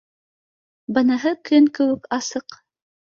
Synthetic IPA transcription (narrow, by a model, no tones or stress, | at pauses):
bɤ̆nɤ̆ɦɤkɵŋkɘ̆wɘ̆kɑsɤq